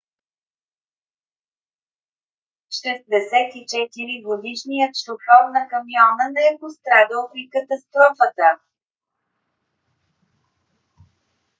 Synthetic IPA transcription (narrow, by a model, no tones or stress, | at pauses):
t͡ʃɾɛzd̪ɛsɛt̪it͡ʃɛt̪iɾiɡod̪iʃnijət̪ʃoxɔvnɐkɐmiɔnənɛɛpost̪ɾad̪əlˠpɾikət̪ɐst̪ɾɔfət̪ə